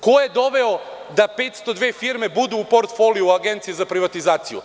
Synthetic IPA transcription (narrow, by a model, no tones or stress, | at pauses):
ko̞jed̪o̞ʋeod̪ape̞ːt̪st̪o̞d̪ʋeːfiɾme̞bud̪uːpo̞ɾt̪fo̞lijuaɡe̞nt̪sijezapɾiʋat̪izaːt̪sijṵ